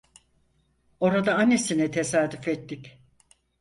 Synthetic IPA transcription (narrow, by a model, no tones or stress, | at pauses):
o̞ɾad̪aanesinɛt̪ʰe̞saːd̪yfet̪ːicʲ